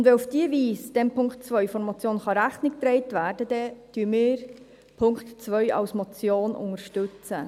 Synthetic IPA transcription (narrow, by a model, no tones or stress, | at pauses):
ʊndʋɛufd̥iːəviːsd̥ɛmpʰʊŋktt͡sʋœʏfɔnmɔt͡sjoːnχɑɾæχnɪk̚t̪ɾɛɪtʋæːɾd̥əd̥ɛd̥yːmɪːɾ | pʰʊŋktt͡sʋœʏɑ̰wsmɔt͡sjoːnʔʊ̰ŋəɾʃtʉt͡sə̰